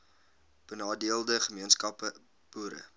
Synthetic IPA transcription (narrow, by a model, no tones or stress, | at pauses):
b̥ənɑːdiəlˠdəχəmiənskɐpə | b̥uːɾə̰